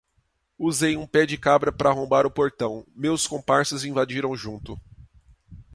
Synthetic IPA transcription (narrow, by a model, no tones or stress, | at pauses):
uzejũpɛd͡ʒɪkabɾɐpɾɐːɦõbaɾʊpoɾt̪ɐ̃w̃mewskõpaɾsʊzĩvad͡ʒiɾɐ̃w̃ʒũnt̪ʊ